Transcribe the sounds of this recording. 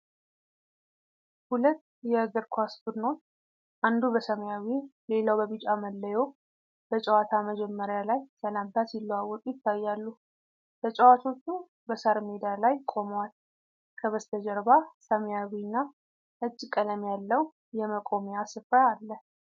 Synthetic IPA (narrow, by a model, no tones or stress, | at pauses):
hulət̪ːjɛəɡəɾkʰʷasbud̪no̞t̪ː | ʔand̪ubəsəmjawile̞lawbəβit͡ʃʼaməlːəjo | b̥ət͡ʃʼɛwat̪ʰaməd͡ʒɛmːəɾjalajsəlamt̪ʰasilːəwawːɔk̪ʼujɪt̪ʰːajːalːu | b̥ət͡ʃʼəwat̪ʰo̞t͡ʃːu | bəsaɾmed̪alajkʼo̞məwal | kʰəβəst̪ʰəd͡ʒəɾbasəmjawinːa | ʔɨt͡ʃʼːɪkʼələmjalːəw | jɛməkʼo̞mejasɨfɾaːlːə